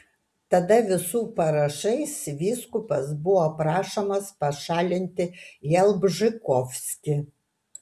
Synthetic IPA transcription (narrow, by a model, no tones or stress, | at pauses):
t̪ɐd̪ɐʋʲɪsuːpɐɾɐʃɐɪsʋʲiːskʊpɐsbʊwɔpɾɑːʃɐmɐspɐʃɑːlʲɪnʲt̪ʲɪjɛlˠbʒɪkɔfʲsʲkʲɪ